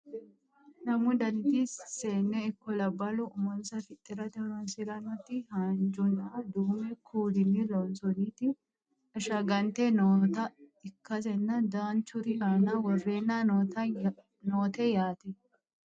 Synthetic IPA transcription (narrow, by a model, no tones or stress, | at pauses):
nɐmʊd̪ɐnt̪ɪsseːnːɛɪkːɔlɐbːɐlʊʊmɔnsɐfɪt̪ʼːɪɾɐt̪ɛnɔnsɪɾɐnːɔt̪ːɪhaːnd͡ʒʊnaːd̪uːmɛkʰuːdɪnːɪlɔnsɔniːt̪ɪ | ɐʃɐɡɐnt̪ɛnot̪ɐɪkːɐs̬ɛnːɐd̪aːnt͡ʃʊɾɪʔaːnawɔrːe̞ːnːaː | noːt̪ɛjaːt̪ɛ